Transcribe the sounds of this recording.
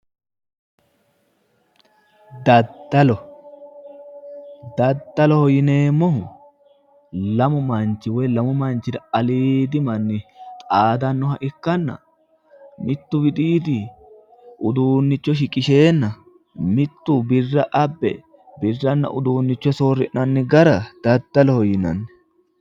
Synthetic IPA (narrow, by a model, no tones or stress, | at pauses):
d̪ɐd̪ːɐlɔ | d̪ɐd̪ːɐlɔhɔjɪne̞ːmːɔhʊ | lɐmʊmɐnt͡ʃːɪwɔjlɐmʊmɐnt͡ʃːɪd̪ɐɐliːd̪ɪmɐnːɪt̪ʼaːd̪ɐnːɔhɐʔɪkːɐnːɐ̰ | mɪt̪ːʊbɪd̪ʼiːd̪ɪ | ʔʊd̪uːnːɪt͡ʃːɔʃɪkʼɪʃe̞ːnːɐ | mɪt̪ːʊbɪrːɐʔɐbːɛ̰ | bɪrːɐnːɐ̰ʔʊd̪uːnːɪt͡ʃːɔsoːrːɪʔnɐnːɪɡɐɾɐd̪̥ɐd̪ːɐlɔhɔjɪnɐ̰nːɛ̥